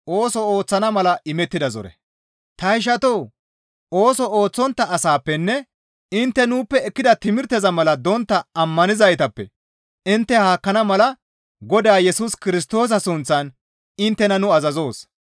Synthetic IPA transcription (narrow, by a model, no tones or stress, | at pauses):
ʔo̞ːsɔoːt͡sːɐnɐmɐlɐʔɪmɛt̪ːɪd̪ɐzɔ̰ɾɛ̰ | t̪ɐɪʃ̬ɐt̪ɔw | o̞ːsɔoːt͡sːɔnt̪ːɐʔːsaːpːɛnːɛ | ɪnt̪ːɛnuːpːɛːkːɪd̪ɐt̪ɪmɪɾt̪ɛzɐmɐlɐd̪ɔnt̪ːɐɐmːɐnɪzɐjt̪ɐpːɛ̰ | ɪnt̪ːɛhaːkːɐnɐmɐlɐ | ɡɔd̪aːjɛsuskɪɾɪs̬t̪o̞ːs̬ɐsʊnt͡sːɐn | ɪnt̪ːɛnɐnʊɐzɐzo̞ːs